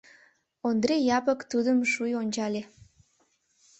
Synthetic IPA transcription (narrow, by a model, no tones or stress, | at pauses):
ond̪rejɑpə̆kt̪ud̪əmʃujonʲt͡ɕɑlʲe